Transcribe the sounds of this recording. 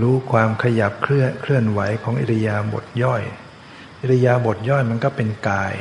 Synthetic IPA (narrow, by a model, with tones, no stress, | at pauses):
ɾuː˦˥kʰwaː˧mkʰa˧ja˨˩p̚kʰkʰɾɯ˥˩ənwa˩˦jkʰɔː˩˦ŋʔḭ˨˩t̪ʰa˧jaː˧bo̰˨˩t̪̚jɔ˥˩j | ʔʔi˨˩tʰa˧jaː˧bo˨˩t̪̚jɔ˥˩jma˧nkɔː˥˩pe˧nkaː˧j